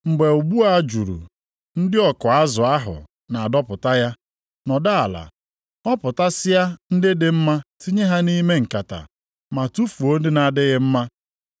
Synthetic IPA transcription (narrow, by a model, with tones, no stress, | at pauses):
ŋ͡m̩˨ɡ͡be˨u˨ɡ͡bu˦a˦d͡ʒṵ˨ɾṵ˨ | n̩˦dɪ˦ɔ˨kʊ˨a˦zʊ˨a˦ɦʊ̰˨ | na˨a˨dɔ˦pʊ˨ta˦ja˦ | nɔ˨da˦a˨la̰˨ | ɔ˦pʊ˨ta˦sɪ˦ja˦n̩˦dɪ˦dɪ˦m̩˦ma˦ti˦ɲe˦ɦa˦ni˦me˦ŋ̩˨ka˨ta̰˨ | ma˨tu˦fu˨o˦n̩˦dɪ˦na˨dɪ˦ɣɪ˦m̩˦ma˦